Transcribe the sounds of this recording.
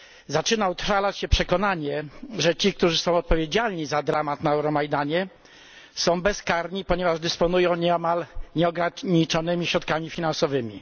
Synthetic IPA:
zat͡ʂɘnaut̪falat͡ɕɕɛpʂɛkɔnaɲɛʐɛt͡ɕik̚t̪uʐɘsɔ̃w̃ɔt̪̚pɔvʲjed͡ʑalɲizad̪ɾamat̪naɛwɾɔmajd̪aɲɛ | sɔ̃w̃bɛskaɾɲipɔɲɛvaʐd̪ɘspɔnujɔ̃w̃ɲɛmalɲɛɔɡɾaɲit͡ʂɔnɘmʲiɕɾɔt̪̚kamʲifʲinãnsɔvɘmʲḭ

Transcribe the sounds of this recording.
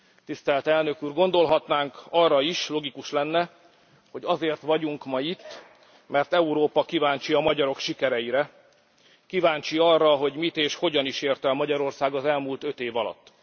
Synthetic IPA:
t̪ist̪ɛlt̪ɛlnø̞kuːrɡo̞n̪d̪o̞lɦɒt̪naːŋkɒrːɒiʃlo̞ɡikuʃlɛnːɛ | ho̞ɟɒzeːrt̪ʋɒɟuŋkmɒjit̪ː | mɛrt̪ɛuɾoːpɒkivaːɲt͡ʃiɒmɒɟɒɾo̞kʃikɛɾɛjiɾɛ | kivaːɲt͡ʃiɒrːɒɦo̞ɟmit̪eːʃho̞ɟɒniʃeːrt̪ɛlmɒɟɒɾo̞rsaːɡɒzɛlmuːlt̪ø̞t̪eːvɒlɒ̰t̪ː

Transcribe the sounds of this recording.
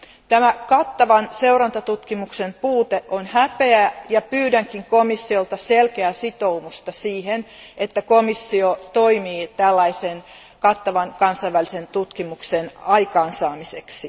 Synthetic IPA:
t̪æmækɑt̪ːɑʋɑnseurɑnt̪ɑt̪ut̪kimuksempuːt̪eʔʔonhæpeæjɑpyːdæŋkiŋkomisːiolt̪ɑselkeæsit̪oumust̪ɑsiːhenet̪ːækomisːiot̪oimiːt̪ælːɑisen | kɑt̪ːɑʋɑŋkɑnsɑiʋælisent̪ut̪kimuksenɑikɑːnsɑːmiseksi

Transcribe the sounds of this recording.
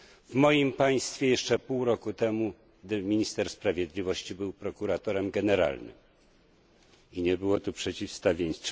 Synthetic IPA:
vmɔjimpaj̃st̪fʲjɛjɛʂt͡ʂɛpuwɾɔkut̪ɛmu | ɡd̪ɘmʲiɲist̪ɛɾspɾavʲjɛd̪lʲivɔɕt͡ɕibɘwpɾɔkuɾat̪ɔɾɛmɡɛnɛɾa̰lnɘ̰m | iɲɛbɘwɔt̪upʂɛt͡ɕifst̪avʲjeɲ

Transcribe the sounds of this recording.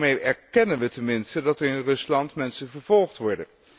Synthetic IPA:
mejɛɹkɛnənʋətɛnmɪnstədɑtəɹɪnrɵslɑntmɛnsənvəɹv̥ɔlˠχtʋɔɹdən

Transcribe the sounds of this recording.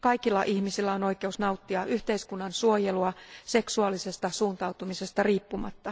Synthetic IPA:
kɑikilːɑ̰ʔihmisilːæono̞ike̞usnɑut̪ːiɑʔyht̪e̞iskunːɑnsuojeluɑse̞ksuɑlise̞st̪ɑsuːnt̪ɑut̪umise̞st̪ɑriːpːumɑ̰t̪ːɑ

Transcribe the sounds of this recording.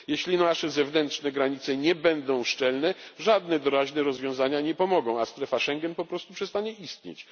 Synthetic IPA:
jɛɕlʲinaʂɛzɛvnɛntʂnɛɡɾaɲit̪sɛɲɛbɛnd̪ɔ̃w̃ʂt͡ʂɛlnɛʐad̪nɛd̪ɔɾaʑnɛɾɔzvʲjɔ̃w̃zaɲaɲɛpɔmɔɡɔ̃w̃ast̪ɾɛfaʂɛŋɡʲɛnpɔpɾɔst̪upʂɛst̪aɲɛist̪ɲḛt͡ɕ

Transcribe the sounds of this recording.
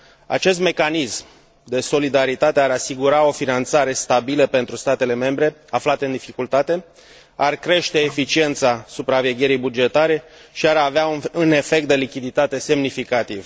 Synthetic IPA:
a̰t͡ʃe̞st̪me̞kanism | d̪e̞so̞lid̪aɾit̪at̪eaɾasiɡuɾao̞finant̪saɾe̞st̪abiləpe̞nt̪ɾust̪at̪e̞le̞me̞mbɾe̞aflat̪eɨnd̪ifikult̪at̪e̞ | arkɾe̞ʃt̪e̞ːfit͡ʃie̞nt̪sasupɾave̞ɡʲe̞ɾijbud͡ʒe̞t̪aɾe̞ʃiaɾaveaune̞fe̞k̚t̪d̪e̞likʲid̪it̪at̪e̞se̞mnifikat̪iv

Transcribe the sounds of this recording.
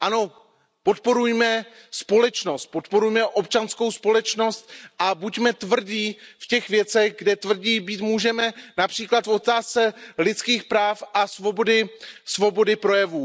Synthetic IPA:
ʔano̞ | po̞t̪po̞ɾujmɛ | spo̞lɛt͡ʃno̞st̪̚po̞t̪po̞ɾujmɛʔo̞pt͡ʃansko̞wspo̞lɛt͡ʃno̞st̪ʔabucmɛt̪vr̩ɟiːfcɛxvjɛt͡sɛɣɡdɛt̪vr̩ɟiːbiːt̪muːʒɛmɛnapr̥iːklat̪fo̞t̪aːst͡sɛlɪt͡skiːxpɾaːfʔasvo̞bodɪsvo̞bo̞dɪpɾo̞jɛvuː

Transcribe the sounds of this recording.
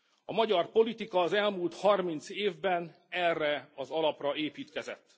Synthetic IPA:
ɒmɒɟɒrpo̞lit̪ikɒːzɛlmuːlt̪hɒrmint̪seːvbɛn | ɛrːɛɒzɒlɒprɒeːpiːt̪kɛzɛ̰t̪ː

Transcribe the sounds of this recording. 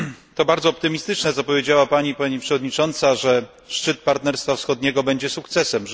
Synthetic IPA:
t̪ɔbaɾd̪zɔːpt̪ɘmʲist̪ɘt͡ʂnɛt̪ɔpɔvʲjed͡ʑawapaɲipaɲipʂɛvɔd̪ɲit͡ʂɔnt̪saʐɛ | ʂt͡ʂɘt̪̚paɾt̪nɛɾst̪fafsxɔd̪ɲɛɡɔbɛɲd͡ʑɛsukt̪sɛsɛm

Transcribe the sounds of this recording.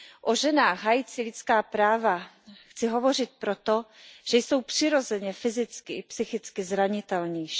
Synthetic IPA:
ʔoʒɛnaːxɣɦajit͡sɪlɪt͡skaːpɾaːva | xt͡sɪɦovo̞r̝ɪt̪̚pɾot̪oʒ̥ɛjso̞wpr̝̥ɪɾo̞zɛɲɛfɪzɪt͡skɪ̰psɪxɪt͡skɪzɾaɲɪt̪ɛlɲi

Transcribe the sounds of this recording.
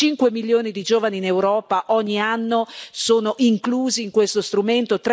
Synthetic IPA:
t͡ʃiŋkwemiljoːnid̪id͡ʒoːvaniːnewɾɔːpaʔɔɲːianːosoːnoʔiŋkluːziːŋkwest̪ost̪ɾument̪ot̪

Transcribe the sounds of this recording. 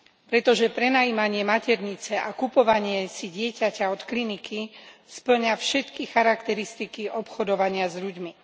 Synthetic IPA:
pɾɛt̪ɔʒɛpɾɛnajimaɲɪɛmacɛɾɲit͡sɛʔakupɔʋaɲɪɛsiɟɪɛcacaɔt̪klinikispl̩ɲafʃɛt̪kixaɾakt̪ɛɾist̪ikiʔɔpxɔd̪ɔʋaɲɪazʎuɟmi

